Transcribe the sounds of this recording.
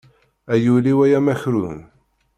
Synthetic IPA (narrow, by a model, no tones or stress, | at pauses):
æjuliwæjæmæçɾṵn